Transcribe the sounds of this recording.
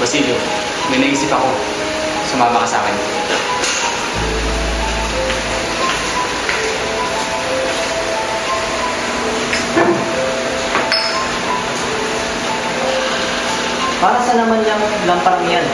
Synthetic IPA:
ɐsiljo | mɐjnɐɡiːsɪpɐko̞ | sʊmaːmɐkɐsa̰ːkɛn | paːɾɐsɐnɐmanʎɐŋ | lɐmpɐɾ̚ŋɐjan

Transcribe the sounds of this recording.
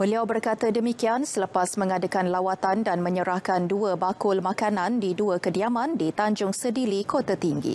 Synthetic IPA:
bəliawbərkat̪adəmikiansələpasmə̃ŋadakanlawat̪andanmə̃ɲəɾahkanduəbakʊlmãkanãndiduəkədiamãndit̪aɲd͡ʒʊŋsədiɾikot̪at̪iŋɡḭ

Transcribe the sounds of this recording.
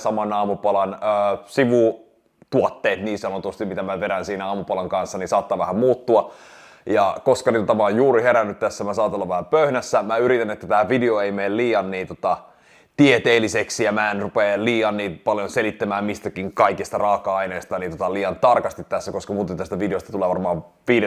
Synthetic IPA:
sɑmɑnɑːmupɑlɑnəːsiʋu | t̪uot̪ːeːt̪niːnsɑnot̪ust̪immit̪æmæʋeɾænsiːnæɑːmupɑlɑŋkɑnsːɑnisɑːt̪ːɑʋæhæmmuːt̪ːuɑ | jɑkoskɑnit̪ot̪ɑmæoːjjuːɾiheɾænːyt̪t̪æsːæmæsɑːt̪olːɑʋæhæpøhnæsːæmæyɾit̪ænet̪ːæt̪æːʋideoeimeːlliːɑnːiːnt̪o̥t̪ɑ | t̪iet̪eːliseksijɑmæːenrupeːliːɑnːiːpɑljonselit̪ːæmæːmmist̪ækiŋkɑikist̪ɑrɑːkɑɑineːst̪ɑnint̪ot̪ɑliːɑnt̪ɑrkɑst̪it̪t̪æsːækoskɑmuːt̪ent̪æst̪æʋideost̪ɑt̪uleːʋɑrmɑː | ʋiːde

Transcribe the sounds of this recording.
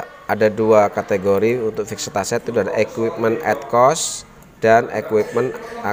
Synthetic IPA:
adaduakat̪eɡoɾiunt̪ʊk̚fik̚sit̪asɛt̪̚ːudadaʔekwip̚mənɛ̰t̪̚kɔs | d̥anḛkwip̚məna

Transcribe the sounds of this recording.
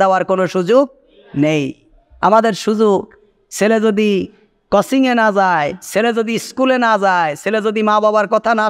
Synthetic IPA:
aaɾkonoʃud͡ʑuɡ̚ | nej | a̰mad̪eɾʃud͡ʑuɡ̚ | selezod̪i | kɔsiŋenazaeseled͡ʑod̪iskulenazajselezod̪imãbabaɾkɔt̪ʰana

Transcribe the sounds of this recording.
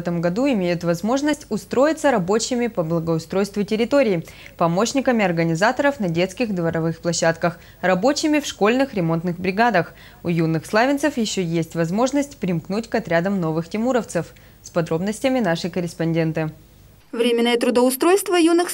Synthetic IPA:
ɛt̪əmɡɐd̪uɪmʲejʊt̪vɐzmo̞ʐnəsʲtʲʊst̪ɾo̞jɪt̪səɾɐbo̞t͡ɕɪmʲɪpəblˠəɡəʊst̪ɾo̞jst̪vʊtʲɪɾʲɪt̪o̞ɾʲɪː | pɐmo̞ɕnʲɪkəmʲɪɐrɡənʲɪzat̪əɾəfnɐdʲe̞t̪skʲɪxd̪vəɾɐvɨxplˠɐɕːat̪kəx | rɐbo̞t͡ɕɪmʲɪfʂko̞lʲnɨxɾʲɪmo̞nt̪nɨxbɾʲɪɡad̪əx | ʊjunːɨxslˠavʲɪnəfjɪɕːojesʲtʲvɐzmo̞ʐnəsʲtʲpɾʲɪmknutʲkɐt̪ɾʲad̪əmno̞vɨxtʲɪmuɾəft̪sɨf | spɐd̪ɾo̞bnəsʲtʲɪmʲɪnaʂɨkəɾʲɪspɐnʲdʲe̞nt̪ɨ | vɾʲemʲɪnːəjət̪ɾʊd̪əʊst̪ɾojst̪vəjunɨx

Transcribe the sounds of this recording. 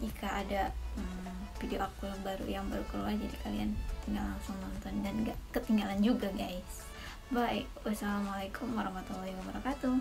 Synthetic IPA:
d͡ʒikʰaːdaəm | fideoakujaŋbaɾṵjaŋbaɾukəluad͡ʒadikaliant̪iŋɡalansɔnɔnt̪ɔndanɡakət̪iŋɡaland͡ʒuɡaɡajs | baikʔasalamalajkʰʊmwaɾahmat̪ulɔhiwabaɾakat̪u

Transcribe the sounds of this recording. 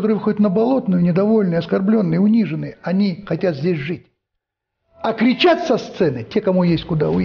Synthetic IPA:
t̪oɾɨəvfɨxo̞dʲɪt̪nəbɐlˠo̞t̪nʊjʊnʲɪd̪ɐvo̞lʲnɨjɐskɐrblʲo̞nːɨjəʊnʲiʐɨnːɨjəɐnʲixɐtʲat̪zʲdʲesʲʐɨtʲ | ɐkɾʲɪt͡ɕat̪ʲsɐst̪sɛnɨtʲekɐmujesʲtʲkʊd̪aʊ

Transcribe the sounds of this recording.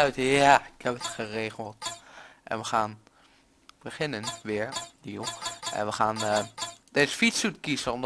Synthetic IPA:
tjaɪkɛpətχəreːχəlˠtʔɛ̰nʋəχaːn | b̥əχɪnənʋɪəɹnilˠʔɛ̰nʋəχaːnəd̥esə̥fitsutkisənɔm

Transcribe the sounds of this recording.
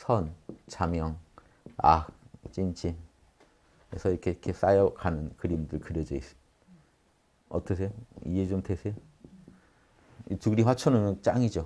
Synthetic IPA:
sʰʌnt͡ɕamjʌŋ | a̰k̚t͡ɕ͈int͡ɕin | esʰʌiɾkʰekʰes͈ajʌkanɯnkɯɾimdɯɭkɯɾjʌd͡ʑʌis͈ɯ̥ | ʌ̰t͈ʌs̬ʰe̞joḭet͡ɕomtesʰejo | ituɡɾiɸwat͡ɕʰʌnɯnʌnt͡ɕ͈aŋid͡ʑo

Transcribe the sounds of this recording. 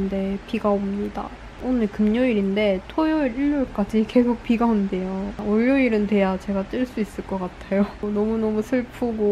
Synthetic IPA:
nde̞piɡaomɲida̰ | onɯɭkɯmɲoiɾinde̞tʰojoɾiʎːoɭk͈ad͡ʑike̞ɡuk̚p͈ʰiɡaonde̞jooʎːoiɾɯnte̞jat͡ɕe̞ɡat͈ɯɭs͈uis͈ɯɭk͈ʌk͈atʰajonʌmunʌmusʰɯɭpʰuɡo

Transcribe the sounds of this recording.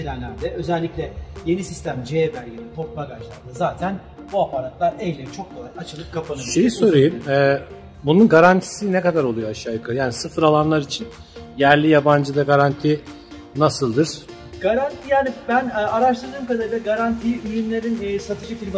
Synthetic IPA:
inænlʲæɾd̪ɛʔø̞zɛlʲːiclʲɛje̞nisist̪ʰæmd͡ʒebæɾɟed̪ɛt̪ʰo̞ɾt̪̚maɡaʒlˠa̰ɾd̪azaːt̪ʰæn | buapʰaɾat̪lˠaɾɛjlʲeit͡ʃʰo̞k̚kʰo̞lˠajat͡ʃʰɯlˠɯp̚kʰapʰanɯʃejiso̞ɾejɯmɛː | bununɡaɾant̪ʰi̥sinɛkad̪aɾolˠujoaʃaːjɯkʰajaːnisɯfɯɾalˠanlˠaɾit͡ʃʰin | jæɾlʲijaband͡ʒɯd̪aɡaɾant̪ʰi | nasɯlˠd̪ɯɾ̥ | ɡ̥aɾant̪ʰijaːnibænːaɾaʃt̪ˠɯɾd̪ɯːmkad̪aɾɯld̪aɡaɾant̪ʰijyjymlʲe̞ɾinːsat̪ʰɯʃɯk̪ʰilʲma

